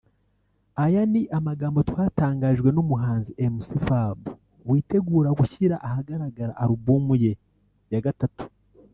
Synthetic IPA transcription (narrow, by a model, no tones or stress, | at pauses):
ajaniʔamaɡaːmbo̞twaːtaːŋɡaːʒɡwe̞numuɦaːnziʔemusifabu | wiːte̞ɡuːɾaɡuçiɾaʔahaɡaɾaɡaɾaʔːɾubuːmuje̞ | jaɡatatu̥